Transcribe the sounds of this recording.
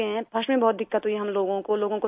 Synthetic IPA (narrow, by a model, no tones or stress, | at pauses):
eɦɛ̃pʰɐʃmẽbɔːt̪̚d̪ɪkːət̪ɦuiɦɐmloːɡõkoloːɡõko